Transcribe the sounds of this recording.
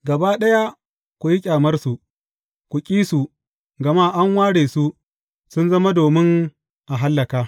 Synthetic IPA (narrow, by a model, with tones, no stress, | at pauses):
ɡɐ˨baː˦ɗɐ˦ja˦ | kʷu˨ji˦kʲʼaː˨mɐ˦rsu˨ʔ | kʷu˨kʲʼiː˦su˨ | ɡɐ˨ma˦ʔa˦ŋwaː˦ɽeː˨su˦ | sʊ˦nzɐ˦ma˦doː˨mɪ˦ŋ | ʔa˨ɦa˦lːɐ˨kaː˦